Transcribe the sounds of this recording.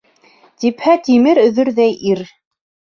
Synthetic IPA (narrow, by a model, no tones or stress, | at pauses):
t̪iphæt̪imɘɾɵ̆ðɵɾðæjʔiɾ